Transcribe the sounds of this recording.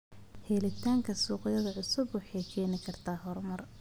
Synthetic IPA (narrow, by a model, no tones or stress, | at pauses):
hɛːlɪt̪ʰaːŋkʰɐsuːqɪjɐðɐʕʊsʊbwɑħɑjkʰɛːnɪkʰɐrt̪ʰaːɦɔrmɐr